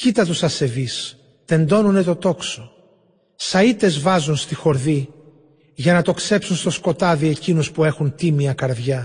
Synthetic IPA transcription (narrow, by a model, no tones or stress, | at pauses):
cit̪ɐt̪usɐse̞vis | t̪e̞nd̪o̞nune̞t̪o̞t̪o̞kso | sɐit̪e̞zvɐzunst̪ixo̞ɾði | ʝɐnɐt̪o̞kse̞psunst̪osko̞t̪ɐðie̞cinuspue̞xunt̪imiɐkɐɾðʝɐ